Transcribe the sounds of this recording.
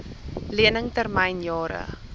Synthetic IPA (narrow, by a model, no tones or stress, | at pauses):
liənəŋtərmɛjnjɑːɾə̰